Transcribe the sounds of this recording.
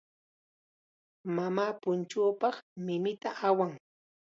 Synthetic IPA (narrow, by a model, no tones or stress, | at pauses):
mamaːpʊnt͡ʃoːpɑχmɪmɪt̪aʔawaŋ